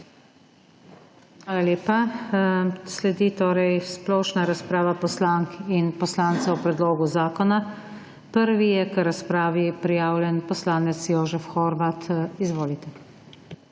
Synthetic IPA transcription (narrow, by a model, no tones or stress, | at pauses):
xʋaːlaleːpa | slɛd̪it̪oːɾɛjsplɔːʃnaɾaspɾaːʋapɔslaŋkinpɔslaːnt̪sawpɾɛd̪loːɡuzaːkɔna | pəɾʋijɛkɾaspɾaːʋipɾijaːwlʲjɛnpɔslaːnɛt̪sjoːʒɛfxɔːɾʋat̪izʋoːlit̪ɛ